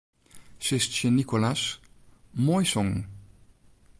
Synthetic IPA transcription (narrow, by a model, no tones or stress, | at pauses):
ʃest͡ʃenikolas | mɔjsɔŋ